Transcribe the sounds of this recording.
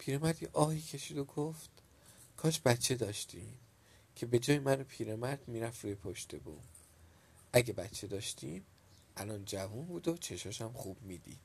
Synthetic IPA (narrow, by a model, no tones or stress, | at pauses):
pʰiːɾemæɾd̪jiʔɒːhiːcʰe̞ʃiːd̪o̞ɡoft̪ | kʰɒːʃbæt̪t͡ʃʰːe̞d̪ɒːʃt̪ʰḭm | cʰe̞be̞d͡ʒɒːjemænopʰiːɾemæɾd̪̥miːɾæft̪ɾuːje̞pʰoʃt̪e̞bṵːm | ʔæɟe̞bæt̪t͡ʃʰːe̞d̪ɒːʃt̪ʰiːm | ʔælɒːnd͡ʒævunbuːd̪ot͡ʃʰe̞ʃɒʃæmχuːb̥miːd̪ḭd̪̥